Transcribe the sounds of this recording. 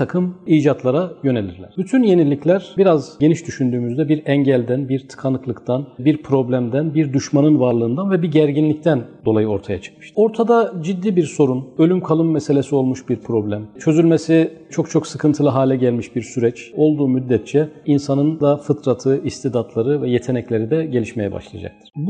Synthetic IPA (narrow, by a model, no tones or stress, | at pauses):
t̪ʰakʰɯmiːd͡ʒat̪ʰlˠaɾajø̞ne̞lʲḭɾlʲæ̰ɾ̥byt̪ʰynje̞nilʲːiclʲæɾ̥biɾazɟe̞niʃd̪yʃynd̪yːmyzd̪ɛbiɾɛɲɟælʲd̪ænbiɾt̪ʰɯ̥kʰanɯklˠɯkt̪ʰanbiɾpʰɾo̞blʲæmd̪ænbiɾd̪yʃmanɯnvaɾlˠɯːnd̪anvɛbiɟæɾɟinlʲict̪ʰænd̪o̞lˠajɯo̞ɾt̪ʰajat͡ʃʰɯ̥k̚ɯʃt̪o̞ɾt̪ʰad̪ad͡ʒid̪ːiːbiɾso̞ɾunø̞lʲymkʰalˠɯmːɛse̞lʲe̞sio̞lˠmuʃbiɾpʰɾo̞blʲæmt͡ʃʰø̞zylʲmesit͡ʃʰo̞kt͡ʃʰo̞ksɯkʰɯnt̪ʰɯlˠɯɦaːlʲɛɟælʲmiʃbiɾsyɾɛt͡ʃo̞lˠd̪uːmyd̪ːɛt̪̚t͡ʃʰɛinsanɯnd̪afɯt̪ʰɾat̪ʰɯist̪ʰid̪at̪lˠaɾɯvɛjet̪ʰe̞nɛclʲe̞ɾid̪ɛɟe̞lʲiʃmejɛ̰ba̰ʃlˠa̰a̰d͡ʒa̰k̚t̪ʰɯ̥ɾ̥bu